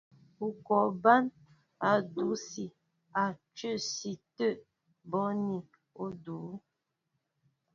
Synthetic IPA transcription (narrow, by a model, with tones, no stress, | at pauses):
u˨kɔ˨ba˦n | a˨du˨˦si˨ | a˨t͡ʃə˦˨si˨tə˦˨ʔ | bɔ˦ni˨ | o˦du˨˦